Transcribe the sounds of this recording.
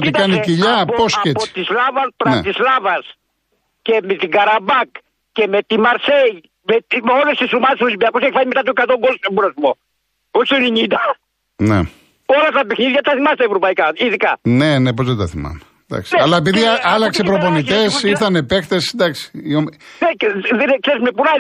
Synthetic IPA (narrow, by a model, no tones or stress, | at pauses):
t̪ikɐniciʎɐpposcept͡soi̥t̪islɐvɐpɾɐnḛt̪islɐvɐs | cemet̪iɡɐɾɐbɐk | cemet̪imɐɾsej | met̪molest̪isɾumɐneslzbeɐkuseçifaɲimet̪at̪oekɐt̪oŋɡolsebuɾɐsmo | osoniɲid̪ɐ | nḛ | olɐt̪ɐpexniðʝɐt̪ɐθimɐst̪eevɾopɐikaiðikɐnenepozðet̪ɐθimɐ̰me | d̪ɐ̰ksi̥nɐlɐep̬iðiɐlɐksepɾoponiit̪e̞siɾθɐnepekt̪e̞snd̪ɐksi̥omneðeneksesmepuna